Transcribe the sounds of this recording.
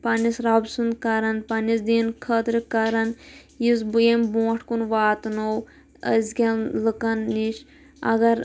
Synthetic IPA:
pɐnisɾabsunkɐɾɐnpɐnisd̪iːnkʰɐt̪ɾɨkɐɾɐn | jiz̬bujembõːʈʰkunʋaːt̪now | əzkʲɐnlɨkɐnːiʃ | ɐ̰ɡɐɾ

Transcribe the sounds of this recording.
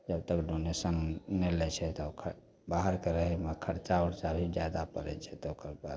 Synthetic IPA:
d͡ʒəb̚t̪əkɖonesənːelɛt͡ʃʰɛt̪ɔokʰə | baɦəɾkeɾəɦɛmekʰəɾt͡ʃaoɾt͡ʃabʱid͡ʒjad̪apə̰ɾɛ̰t͡ʃʰɛt̪ɔokəɾba̰d̪̚

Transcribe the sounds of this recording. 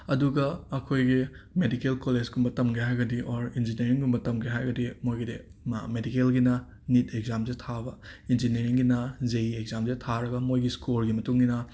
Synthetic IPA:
ɐduɡɐɐkʰojɡimedikelkoled͡ʒɡumbɐtɐmɡeɦajɡɐdiʔoɾind͡ʒineɾiŋɡumbɐtɐmɡeɦajɡɐdimojɡide | medikelɡinɐ | nitʰeɡzamzetʰabɐind͡ʒineɾiŋɡinɐzɐjiekzamzetʰaɾɐɡɐmojɡiskolɡimɐtuŋɡinɐ

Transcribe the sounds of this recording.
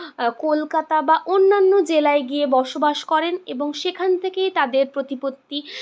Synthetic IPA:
kolkat̪abaʔonːanːod͡ʑelaeɡiebɔɾʃobaʃkɔɾeneboŋʃekʰant̪ʰekejt̪ad̪eɾpɾot̪ipot̪ːi

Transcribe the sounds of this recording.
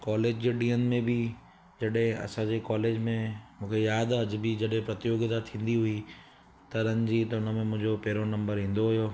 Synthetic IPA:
kɔːleːd͡ʑd͡ʑeɖiːənɪ̆mẽbɪ | d͡ʑɐɗɦẽɐ̰sãd͡ʑekaːleːd͡ʑmẽmũːkʰejaːd̪ad͡ʑɪbɪd͡ʑɐɗɦẽpɾɐt̪ɪjoːɡɪt̪at̪ʰĩːn̆d̪iɦʊi | t̪ɐɾənd͡ʑiːt̪ɐʊnəmẽmʊ̃ɦɪ̃ɲd͡ʑopɛːɾonɐ̃mbəɾɦĩːn̆d̪oɦʊjoː

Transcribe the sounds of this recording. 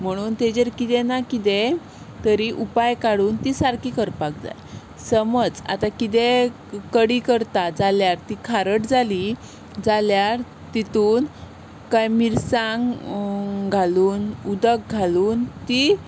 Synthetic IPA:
m̤əɽ̃uːnt̪ed͡ʑeɾkit̪ɛnakit̪e | t̪əɾiʔupajkaɽuːnt̪isaɾkikəɾpak̚d͡za̰j | səməd͡za̰t̪akit̪̬e | kəɽikəɾt̪ad͡zaljaɾt̪ikʰaɾəʈd͡zali | d͡zaljaɾ | t̪it̪uːn | kajmiɾsaŋɡ | ɡʱaluːnud̪ək̚ɡʱaluːnt̪i

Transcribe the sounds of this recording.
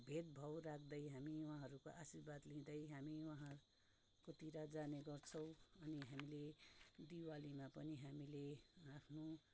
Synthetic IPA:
bʱed̪bʱʌwɾakʰd̪ʌjɦamiwɦãɦʌɾukoʔasiɾbad̪lĩd̪ʌjɦamiwʌɦã | kot̪iɾad͡zaneɡʌrt͡sʰʌ̃w̃ʌniɦamiled̪iwalimapʌniɦamileapʰno

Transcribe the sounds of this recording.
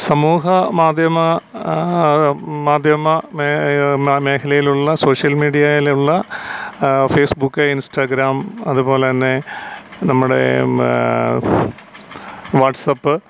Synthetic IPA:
sɐmuːɦɐmaːd̪ʱjɐmɐ | maːd̪ʱjɐmɐ | me̞ːkʰɐlɐjiluɭːɐso̞ːʂjɐlmiːɽijɐjiluɭːɐ | feːsbukːɐinsʈaːɡɾaːmɐðupo̞ːleɐnːenɐmːuɽe̞̰ | ʋaːʈsɐpːɨ

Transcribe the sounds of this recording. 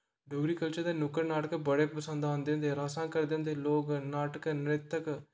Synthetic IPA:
ɖoːɡɾikəlt͡ʃəɾd̪enʊkəɾnaːʈəkbɐɽeːpɐsə̃nd̪aːnd̪ẽnd̪eɾaːsãːkɐɾd̪ẽːnd̪eloːɡnaːʈəkənɾet̪ːək

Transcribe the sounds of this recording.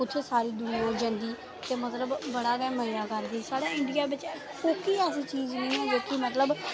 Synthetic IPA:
ʊt̪ʰːeːsaːɾiːd̪ʊnãɦoːd͡ʒãːnd̪iː | t̪eːmət̪ləbːəɽaːɡɛːməɾaːkəɾd̪iːsaːɽaːɪ̃ɳɖijaːbɪt͡ʃ | oːkiːɛːs̬iːt͡ʃiːznĩːɦɛ̃ːd͡ʒoːkɪmət̪ləb

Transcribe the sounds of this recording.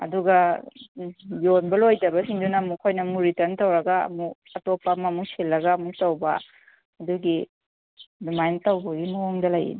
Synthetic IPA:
ɐ̰duɡɐ | jonbɐlojtɐbɐsiŋdunamukʰojnɐmuɾitɐntɐwɾɐɡaɐ̰mu | ɐtopːamɐmuselːɐɡaːmuk̚tɐwbɐ | ɐduɡi | dimajntɐwbɐɡinoŋdɐlajḭn

